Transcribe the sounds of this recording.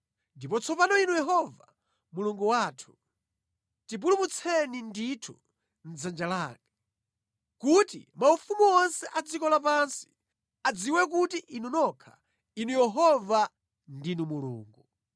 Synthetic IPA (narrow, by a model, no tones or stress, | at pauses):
ndipɔt͡sʰɔpanɔinujɛɦɔva | muluŋɡuwatʰu̥ | tip̬ulumut͡sʰɛninditʰu | n̩d͡zand͡ʒalaːka | kutḭmaufumuɔnsɛʔad͡zikɔlap̬ansi̥ | ad͡ziwɛk̬utiʔinunɔkʰa̰ | inujɛɦɔva | ndinumulṵːŋɡu